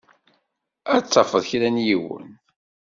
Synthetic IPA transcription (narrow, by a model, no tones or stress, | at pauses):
æt͡sːɑfəðˤçlænjiwə̰n